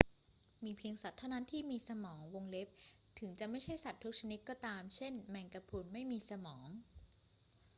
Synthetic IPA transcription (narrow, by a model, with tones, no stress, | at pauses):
miː˧pʰi˧əŋsa˨˩t̪ʰːa˥˩wna˦˥˨nt̪ʰiː˥˩miː˧sa˧mɔː˩˦ŋwo˧ŋle˦˥p̚ | t̪ʰɯ˩˦ŋt͡ɕa˨˩ʔma˥˩jt͡ɕʰa˥˩jsa˨˩t̪ʰːu˦˥k̚t͡ɕʰa˧ni˦˥t̪̚kɔː˥˩t̪aː˧mt͡ɕʰe˥˩nmɛ˧ŋka˧pʰu˧nma˥˩jmiː˧sa˧mɔː˩˦ŋ